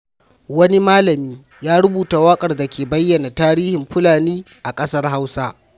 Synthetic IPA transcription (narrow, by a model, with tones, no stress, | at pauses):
wɐ˦ni˦maː˦lɐ˨miː˦ | jaː˦ɾʊ˦buː˨ta˨wɐ˦kʼɐ˨rda˨kʲʰeː˨bɐ˦jːɐ˨na˨taː˦ɾiː˦hɪ˨mɸʊ˦laː˨niː˦ | ʔa˨kʼɐ˦sɐ˦rɦa˦wsa˦